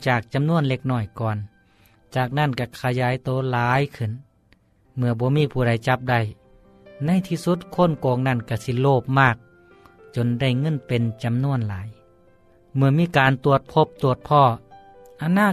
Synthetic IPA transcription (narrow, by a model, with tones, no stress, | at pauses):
t͡ɕaː˨˩k̚t͡ɕa˨˧˨mnu˧˥ənle˧k̚nɔː˧˩jkɔː˨˩n | t͡ɕaː˨˩k̚na˧˥˨nka˧˩kʰa˧jaː˨˦jt̪oː˨˦laː˨˧˦jkʰɯ˧˩˨n | mɯ˧ɐbɔː˧˦miː˧˥˨pʰuː˧˩da˨˦jt͡ɕa˧˦p̚da˧˩j | na˧˥˨jt̪ʰiː˧su˧˦˥t̪̚kʰo˧˥˨nkɔː˨˧ŋna˧˩˨nka˧˩si˧loː˧˩p̚maː˧˩k̚ | t͡ɕo˧˨nda˧˩jŋɤ˧˥˨npe˨nt͡ɕa˨mnu˧˥˩ənlaː˨˦j | mɯ˧ɐmiː˧˥˨kaː˨nt̪u˨˧˩ət̪̚pʰo˧˥p̚t̪u˧˩ət̪̚pʰɔː˧˩ | ʔa˧naː˧˥˩